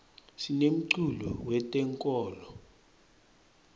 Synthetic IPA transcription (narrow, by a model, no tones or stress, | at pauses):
sinem̩ǀulɔ̰wɛtʼɛŋkʼɔːlɔ